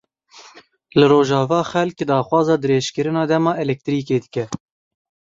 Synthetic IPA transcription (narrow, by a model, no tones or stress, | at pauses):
lɨɾoːʒɑːvɑːxɛlkd̪ɑːxwɑːzɑːd̪ɨɾeːʃkɨɾɨnɑːd̪ɛmɑːʔɛlɛk̚t̪ɨɾiːkeːd̪ɨkɛ